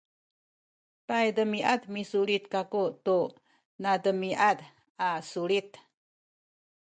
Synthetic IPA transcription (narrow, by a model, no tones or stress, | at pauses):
pajdəmiʔatmisuɭit̪̚kakutu | nadəmiʔad | asuɭit̪